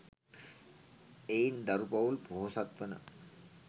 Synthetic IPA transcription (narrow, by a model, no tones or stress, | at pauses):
ejnd̪ɐɾupɐʋulpoɦosat̪ʋənə̰